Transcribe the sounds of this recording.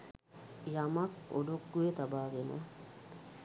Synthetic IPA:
jamako̰ɖokːujet̪abaːɡenə̰

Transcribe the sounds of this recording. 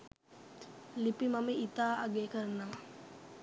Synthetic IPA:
lipimɐməit̪aːʔaɡeːkəɾnɐʋa

